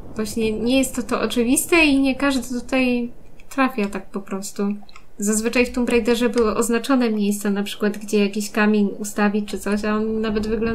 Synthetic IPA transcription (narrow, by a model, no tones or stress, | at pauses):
v̥waɕɲɛɲɛjɛst̪ːɔt̪ɔʔɔ̰t͡ʂɘvʲist̪ɛiɲɛkaʐd̪ɘt̪ut̪aj | t̪ɾafʲjat̪ak̚pɔpɾɔst̪u | zazvɘt͡ʂajft̪ɪmbɾajd̪ɛʐɛbɘwɔʔɔznat͡ʂɔnɛmʲjejst̪sɛnapʂɘ̥kwad̪ɡd͡ʑɛjakʲiɕkamʲinust̪avʲit͡ʂɘt̪sɔɕ̬aɔnːavɛd̪vɘɡlɔ